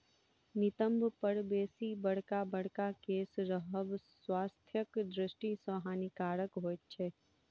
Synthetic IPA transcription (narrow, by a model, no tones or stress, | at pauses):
nɪt̪əmbʱpəɽbeːsibəɽ̤kabəɽ̤kakeːsɾəɦəʋ | waːst̪ʰjəkd̪ɾɪʃʈisəːɦaːnikaːɾəkɦoːt̪t͡ʃʰeː